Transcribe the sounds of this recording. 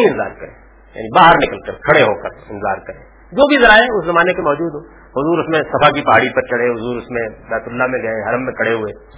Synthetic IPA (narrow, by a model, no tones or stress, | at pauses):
iɪnza̰ːɾkɐɾḛ̃ː | ja̰ːnibaːɦəɾnɪkəlkɐɾkʰɐɽeɦoːkəɾɪnza̰ːɾkɐɾẽː | d͡ʒoːbʱizɐɾaːeʊszɐmaːnekemɔːd͡ʒuːd̪ɦõː | hʊzuːɾʊsmẽsɐfakipɐɦaːɽipɐɾt͡ʃɐɽ̤ẽɦʊzuːɾʊsmẽbɛːt̪ʊlːamẽɡɐẽɦɐɾəmːẽkʰɐɽeɦʊeː